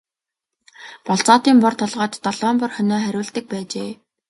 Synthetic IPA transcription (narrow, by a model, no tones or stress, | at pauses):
pɔɬt͡sɔːt̪iːmpɔrt̪ʰɔɮʁɔːt̪ːɔɮɔːmpɔrχœnɔːχæɾʲʊːɬt̪ɘ̆k̚pæːt͡ɕeː